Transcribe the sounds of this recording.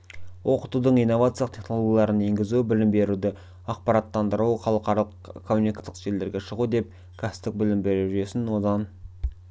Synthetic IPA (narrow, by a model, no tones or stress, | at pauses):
wʔo̞qət̪ud̪əɴijnːo̞vat̪sjlˠəqt̪ʰʲeχno̞lˠo̞ɡʲjlˠɑɾəne̞ŋɡʲɪzubɪlɪmbe̞ɾud̪ɪ | ɑq̚pɑɾɑt̪ːɑnd̪əɾuwχɑlˠəqɑɾɑlˠəqkʰomːunijkat̪ːəqʒ̥eld̪e̞ɾɡʲe̞ʃəʁud̪e̞p̚ | kʰasɪ̥pt̪ːɪk̚bɪlɪmbe̞ɾuʒʒe̞sɪnwo̞d̪ɑn